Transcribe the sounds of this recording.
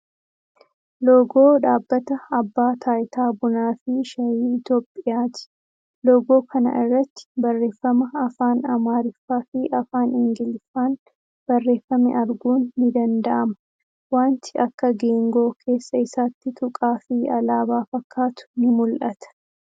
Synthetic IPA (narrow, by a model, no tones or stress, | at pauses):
loːɡo̞ːᶑaːbːɐt̪ɐɐbːaːt̪ʰaːjɪt̪aːbʊnaːfɪʃɐjiːɪt̪o̞ːpʼːɪjaːt̪ɪ̥ | loːɡo̞ːkʰɐnɐ̰ʔɪrːɐt̪ːɪ̥bɐrːe̞ːfːɐmɐɐfaːnɐmaːɾɪfːaːfɪʔɐfaːnɪŋɡɪlɪfaːn | b̥ɐrːe̞ːfːɐmɛʔɐɾɡuːnːɪd̪ɐnd̪ɐʔɐmɐ̥ | waːnt̪ɪɐkːɐɡe̞ːŋɡo̞ːkʰe̞ːsːɐɪsaːt̪ːɪt̪ʊkʼaːfɪɐlaːbaːfɐkːaːt̪ʊ̥nɪmʊlʔɐt̪ɐ̥